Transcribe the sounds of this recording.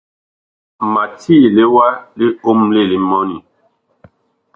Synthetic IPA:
ma˨ti˦˨le˦wa˦li˦o˦mle˦˨li˦mɔ˦ni˨

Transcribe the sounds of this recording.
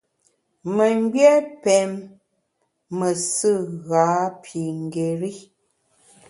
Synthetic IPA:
mə˨ŋ˦ɡjɛ˦pɛ˨m | ə˨sɨ˦˨ɣa˨˦pʰi˨ŋ˨ɡe˨ɾi˦

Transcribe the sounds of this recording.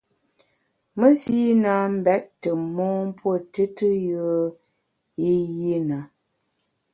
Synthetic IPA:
mə˦si˦na˨˦m̩˦bɛ˦ʔ̚tə˨mɔː˦m˦pwo˦˨tɨ˦tɨ˦jə˦ | i˦ji˦na˨˦

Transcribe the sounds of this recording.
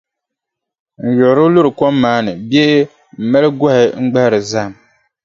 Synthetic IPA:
n̩˨jɔ˨ʔɾʊ˦lʊ˦ɾɨ˨kɔ˦mːaː˨˦nɨ˨bjɛ˦ʔ | m̩˨ma˦lɨ˦ɡɔ˦hɪ˦ŋ͡m̩˦ɡ͡ba˦hɾɨ˨za˦˨m

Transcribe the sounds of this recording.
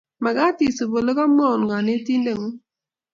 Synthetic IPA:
ma˨ka˦ti˨su˨bo˨lə˦ka˦m˦ɔ˦˨n˨ŋa˨ne˦ti˦nde˨ŋu˦

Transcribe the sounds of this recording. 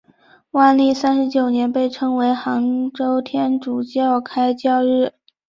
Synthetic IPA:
wa˥˧nli˥˩sa˥nʂɻ̩˧˥t͡ɕjo˨˩ʊnjɛ˧˥npe˥˩ɪʈ͡ʂʰɤ˧˥ŋwe˧˥ɪxɑ˧˥ŋʈ͡ʂo˥ʊt̪ʰjɛ˥nʈ͡ʂu˨˩t͡ɕjɑ˥˧˩ʊkʰa˥ɪt͡ɕjɑ˥˧ʊɻɻ̩˥˩

